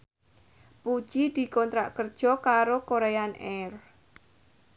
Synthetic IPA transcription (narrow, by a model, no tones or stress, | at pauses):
pud̥ʒ̥id̪̥i̤kɔnt̪ɾa̰ʔkərd̥ʒ̥ɔ̤kaɾokoɾejanʔɛr